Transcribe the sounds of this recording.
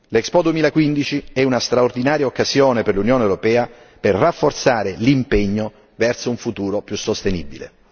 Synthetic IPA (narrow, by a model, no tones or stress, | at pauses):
lɛkspɔd̪uemilakwind̪it͡ʃiɛunast̪ɾaord̪inaːɾjaokːazjoːneperlunjoːnewɾopɛːa | perːafːort̪saːɾelimpɛɲːo | vɛrsouɱfut̪uːɾopjusːost̪enḭbḭlḛ